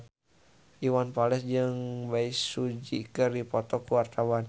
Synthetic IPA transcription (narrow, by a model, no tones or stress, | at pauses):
iwanpalɛsd͡ʒɨŋbaisud͡ʒḭkɨrdipɔt̪ɔkuwart̪awan